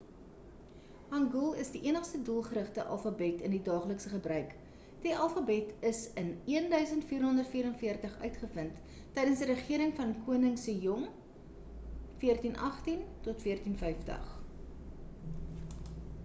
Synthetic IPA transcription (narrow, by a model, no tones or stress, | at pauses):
hɐŋɡulˠəsdiʔiənəχstəduəlˠχəɾəχtəʔɐ̰lˠfabɛtəndidɑːχləksəχəbrœɥk | d̥iʔɐlˠfɐbɛtəsəniəndœɥsəntfiːrɦɔndərtfiːɾənfiərtəχœ̰ɥtχəfəntː | ɛjdənsdiɾəχiəɾəŋfɐnkuənəŋsəjɔŋ | fiərtinʔɐχtintɔtfiərtinfɛjftə̰χ